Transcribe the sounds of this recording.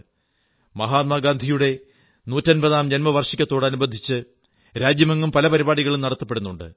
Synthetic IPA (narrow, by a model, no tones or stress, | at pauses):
mɐɦaːt̪̚mɐɡaːnd̪ʱijuɽe̞ | nuːtːɐnbɐðaːmd͡ʑɐnmɐʋɐrʂikʲːɐt̪ːo̞ːɽɐnubɐd̪ʱːit͡ɕːɨ | ɾaːd͡ʑjɐmɐŋːumpɐlɐpɐɾibaːɽiɣɐɭumnɐɽɐt̪ːɐ̥pːe̞ɽunːuɳɖɨ